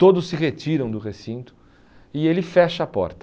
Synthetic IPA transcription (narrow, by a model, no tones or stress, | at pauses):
t̪od̪ʊsːɪʁet͡ʃiɾɐ̃w̃d̪ʊʁesĩnt̪ʊ̥ | ɪelɪfɛʃɐpɔ̰ɾt̪ɐ